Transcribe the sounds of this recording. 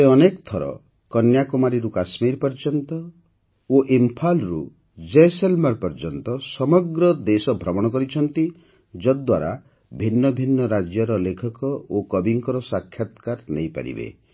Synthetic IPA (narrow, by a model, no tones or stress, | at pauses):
eɔnekt̪ʰɔɾɔ̰ | kɔnjakumaɾiɾukasmiɾpɔɾd͡ʒɔnt̪ɔ | oʔimpʰalɾu | d͡ʒeselmaɾpɔɾd͡ʒɔnt̪ɔsɔmɔɡɾɔd̪esɔbʱɾɔmɔɽ̃ɔkɔɾit͡ʃʰɔnt̪i | d͡ʒɔd̪waɾa | bʱinːɔbʱinːɔɾad͡ʒjɔɾɔlekʰɔkɔokɔbiŋkɔɾɔsakʰjat̪kaɾnḛjpa̰ɾḭbḛ